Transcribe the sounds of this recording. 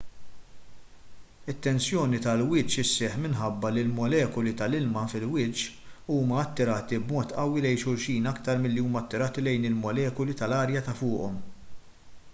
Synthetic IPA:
ɪt̪ːɛnsjɔːnit̪ɐlwɪːt͡ʃɪsːɛħmɪnħɐbːɐlilmɔlɛːkɔlit̪ɐlɪlmɐfɪlwɪt͡ʃ | uːmɐɐt̪ːɪɾɐːt̪ibmɔːt̪ʔɐwːilɛjʃʊɾʃiːnɐkt̪ɐɾmɪlːiuːmɐɐt̪ːɪɾɐːt̪ilɛjnɪlmɔlɛːkɔlit̪ɐlɐːɾjɐt̪ɐfʊːʔɔm

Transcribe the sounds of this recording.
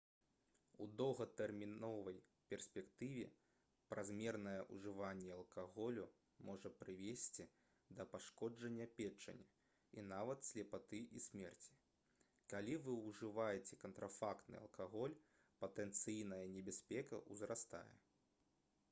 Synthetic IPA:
ud̪ɔwɣɐt̪ɛrmʲinɔvɐjpʲɛrsʲpʲɛkt̪ɨvʲɛ̰ | pɾʔazʲmʲɛrnɐjɐʔuʐɨvanʲːɛɐlˠkaɣɔlʲu | mɔʐɐpɾɨvʲesʲt͡sʲi | d̪ɐpaʂkɔd͡ʐɐnʲːɐpʲɛt͡ʂːɐ̰nʲːɛ | inavɐt̪sʲlʲɛpat̪ɨʔisʲmʲɛrt͡sʲi̥ | kalʲivɨuʐɨvajɛt͡sʲɛkɐnt̪ɾʔafakt̪nɨ̰ɐ̰lˠkaɣɔlʲ | pɐt̪ɛnt̪sɨjnɐjɐnʲɛbʲasʲpʲɛkɐ̰ʔuzɾast̪a̰jɛ̰

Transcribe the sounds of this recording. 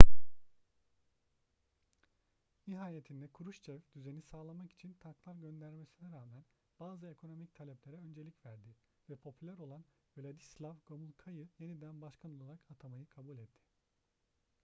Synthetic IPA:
niɦaːjet̪ʰind̪ɛkʰuɾuʃt͡ʃʰɛvd̪yze̞nisaːlˠamaki̥t͡ʃʰint̪ʰaklˠaɾɟø̞nd̪æɾme̞sinɛɾaːmæn | b̥aːzɯe̞kʰo̞no̞mic̚t̪ʰalʲɛplʲeɾɛø̞nd͡ʒe̞lʲicvæɾd̪i | vɛpʰo̞pʰylʲæɾo̞lˠan | velʲad̪islʲˠavɡomulˠkʰajɯje̞nid̪ænbaʃkʰanlˠolˠaɾakat̪ʰamajɯkʰabulʲɛt̪ʰːɪ̥

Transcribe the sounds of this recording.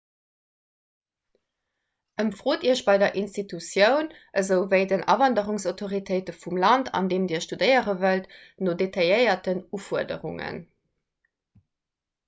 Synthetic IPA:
ʔəmfʁoːtiːɐɕbɑɪdɐʔinstitusjəʊn | ʔəzəʊvəɪdənʔɑ̰vɑndəʁuŋsaʊtʰoʁitʰəɪtəfumlɑntʰɑ̰ndeːmdiːɐʃtudəɪəʁəvəltnodetʰɑjəɪɐtənufuɐdə̰ʁuŋə̰n

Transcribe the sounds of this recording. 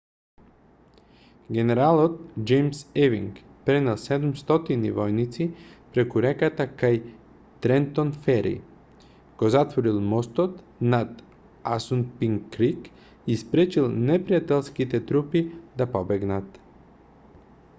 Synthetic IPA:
ɡɛnɛɾalˠɔt̪̚d͡ʒɛjmsɛviŋk | pɾɛnɛlˠsɛd̪umst̪ɔt̪inivɔjnit̪sipɾɛkuɾɛkat̪akaj | t̪ɾɛnt̪onfɛɾḭ | ɡ̥ozat̪vɔɾilˠmɔst̪ɔt̪ | nat̪ | asunpiŋkːɾik | ispɾɛt͡ʃilˠnɛpɾijat̪ɛlˠskit̪ɛt̪ɾupid̪apɔbɛɡnat̪

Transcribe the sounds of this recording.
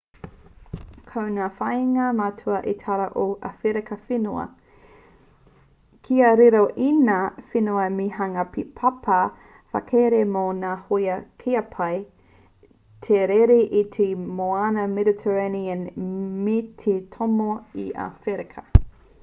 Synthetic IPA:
kʰɐwnaːfɐjŋɐmɐtʰuɐʔitʰaɾɐʔoʔɐ̰feɾekɐfinuɐ̰ | kʰiɐɾiɾoʔinafinuɐmiɦɐŋɐpʰipʰɐpʰɐ | fɐ̰kʰeɾemonaːhojɐkʰiɐpʰɐj | t̪ʰeɾeɾiʔitʰemoanɐmeditʰəɾaniɐnmitʰitʰomoiʔa̰feɾekʰɐ

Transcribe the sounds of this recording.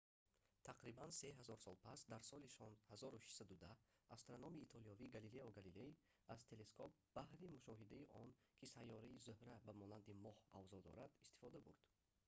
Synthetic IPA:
t̪ʰaqɾibanseɦazɔɾsɔlpʰasd̪aɾsɔliʃɔnhazɔɾuʃi̥ʃsad̪ud̪ahast̪ɾanɔmiːt̪ʰɔliɔviɡalileɔɡalilei | azt̪ʰe̞le̞skʰɔp̚b̥ahɾimuʃɔɦid̪aiʔɔnkʰisajːɔɾaizuhɾæbæmɔland̪imɔha̰vzɔd̪ɔ̰ɾad̪ist̪i̥fɔd̪abuɾd̪̥

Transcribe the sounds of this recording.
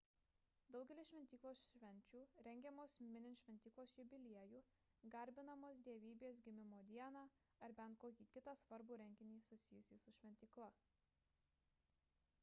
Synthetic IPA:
d̪ɒʊɡʲɛlʲɪsʃʲʋʲɛnʲt̪ʲiːklˠoːsʃʲʋʲɛnʲt͡ʃʲuːɾʲɛŋʲɡʲɛmoːsmʲɪnʲɪnʃʲʋʲɛnʲt̪ʲiːklˠoːsjʊbʲɪlʲiɛjuː | ɡɐɾʲbʲɪnɐmoːsd̪ʲiɛʋʲiːbʲeːsɡʲɪmʲɪmoːd̪ʲiɛnɑː | ɐɾbʲɛnt̪̚koːkʲiːkʲɪt̪ɑsʋɐɾbuːɾʲɛŋʲɡʲɪnʲiːsʊsʲɪjʊsʲiːsʊʃʲʋʲɛnʲt̪ʲiːklˠɐ

